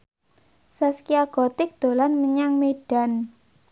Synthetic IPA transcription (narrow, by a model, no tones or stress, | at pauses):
saskiaɡ̥ɔ̤t̪ɪk̚d̪̥o̤lanməɲaŋmeɖ̥a̤n